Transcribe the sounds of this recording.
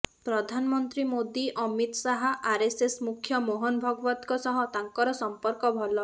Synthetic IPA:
pɾɔd̪ʱanɔmɔnt̪ɾimod̪iʔɔmit̪saɦaʔaɾesesmukʰjɔmoɦɔnɔbʱɔɡɔbɔt̪kɔsɔɦɔt̪aŋkɔɾɔsɔmpɔɾkɔbʱɔlɔ

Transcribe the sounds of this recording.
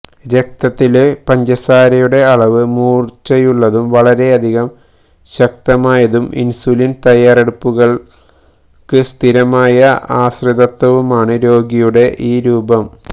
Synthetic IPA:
ɾek̚t̪ɐt̪ːilpɐɲd͡ʑɐsaːɾɐjuɽe̞ɐɭɐʋɨmuːrt͡ɕɐjuɭːɐðumʋɐɭɐɾe̞ɐd̪ʱiɣɐm | ɕɐk̚t̪ɐmaːjɐðumḭnsulint̪ɐjaːreɽupːuɣɐɭ | kɨst̪ʰiɾɐmaːjɐaːsriðɐt̪ːwɐʋumaːɳɨɾo̞ːɡijuɽe̞ʔiːɾuːbɐm

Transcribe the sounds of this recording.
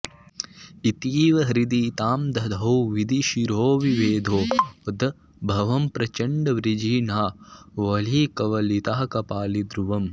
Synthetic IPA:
it̪iːʋɐɦɾid̪it̪aːmd̪ʱɐd̪ʱɐwʋid̪iʃiɾoːʋiʋeːd̪ʱoːd̪ɐ | bʱɐʋɐmpɾɐt͡ʃɐɳɖɐʋɾid͡ʒiːnaːʋɐliːkɐʋɐlit̪aːɐkɐpaːlid̪ɾuʋɐm

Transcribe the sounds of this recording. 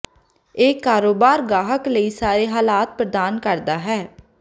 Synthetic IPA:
eːkːaːɾoːbaːɾɡaːɦəkləiːsaːɾeːɦaːlaːt̪̚pɾəd̪aːnkəɾd̪aːɦɛː

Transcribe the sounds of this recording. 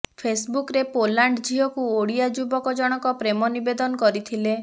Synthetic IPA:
pʰesbukɾepolaɳɖd͡ʒiɦɔkuoɽijad͡ʒubɔkɔd͡ʒɔɽ̃ɔkɔpɾemɔnibed̪ɔnɔkɔɾit̪ʰile

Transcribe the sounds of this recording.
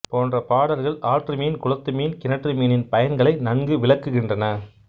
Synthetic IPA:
poːndrɐpaːɽɐɾɣɐɭaːʈrɯmiːnkʊɻɐt̪ːɯmiːnkɪnɐʈrɯmiːnɪnpɐjɐnɡɐɭɐɪnɐŋɡɯʋɪɭɐkːɯɣɪndrɐnɐ

